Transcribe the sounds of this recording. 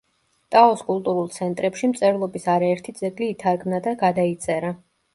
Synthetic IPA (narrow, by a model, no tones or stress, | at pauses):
t̪ʼaɔskʼulˠt̪ʼuɾulˠt̪sʰɛnt̪ʼɾɛpʃimt̪sʼɛɾlˠɔbisaɾaɛɾt̪ʰid̪zɛɡliːt̪ʰaɾɡmnad̪aɡad̪ait̪sʼɛɾa